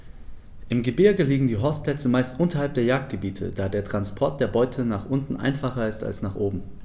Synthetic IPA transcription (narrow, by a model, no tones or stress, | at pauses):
ʔɪmɡəbɪɐɡəliːɡŋ̩diːɦɔɐstplɛt͡səmaɪstʔʊntɐhalp̚d̥eːɐjaːk̚t̚ɡ̥əbiːtʰə̰d̥aːdeːɐtʁ̥anspʰɔɐt̚d̥eːɐbɔʏtʰənaːχʔʊntn̩ʔa̰ɪnfaχɐɪsta̰lsnaːχʔoːbm̩